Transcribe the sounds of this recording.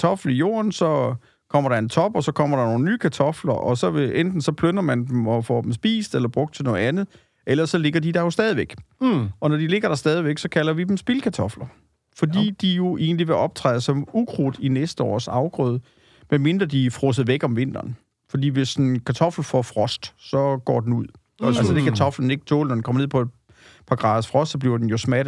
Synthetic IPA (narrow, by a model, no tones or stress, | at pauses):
t͡sʰɒ̽fl̩ijo̝̰ːɐnsɒ̽ | kʰɒ̽m̰ɐɾ̥ɑ̈e̝nt͡sʰɒ̽b̥ɒ̽sɒ̽kʰɒ̽m̰ɐɾ̥ɑno̝ːnənyːkʰæt͡sʰɒ̽flɐʔɒ̽sɒ̽eend̥n̩sɒ̽pʰlønɐmænd̥emɒ̽fɒ̰ːd̥emsb̥ḭːsd̥elɐb̥ʁɔ̽ɡ̥̚d̥t͡sʰe̝nɔ̽ːð̩ˠænð̞̩ˠ | ʔelɐsɒ̽le̝ɡ̥ɐd̥id̥ɑ̈jo̝sd̥ɛːð̞ˠiʋeɡ̥ʔɒ̽nɒd̥ile̝ɡ̥ɐɾ̥ɑ̈sd̥ɛːð̞ˠiʋeɡ̥sɒ̽kʰælɐʋid̥emsb̥ilkʰæt͡sʰɒ̽flɐ | fɒ̽d̥ḭːd̥ijo̝ʔe̝̰ːnliʋe̝ʔɒ̽b̥̚t͡sʰʁɑ̰ːð̩ˠsɒ̽muɡʰʁud̥inesd̥əɒ̰ːsɑ̈ʊɡ̥ʁɔːð̞ˠ | menme̝nd̥ʁɐd̥ifʁɔs̬əð̩ˠʋeɡ̥ɒ̽mʋe̝n̰d̥ɐːn | fɒ̽d̥ḭːʋe̝sːnkʰæt͡sʰɒ̽fl̩fɒfʁɒsd̥sɒ̽ɡ̥ɒ̰ːd̥en̩uð̰ˠ | ɒælsəd̥ekʰæt͡sʰɒ̽flən̩e̝ɡ̥ət͡sʰo̰ːlnɒ̽dnkɒ̽m̰ɐnḛpʰɒ̽e̝d | pʰɑ̈ɡ̥ʁɑ̈ːð̩ˠsfʁɒ̽sd̥sɒ̽b̥liɐd̥enjo̝smæd̥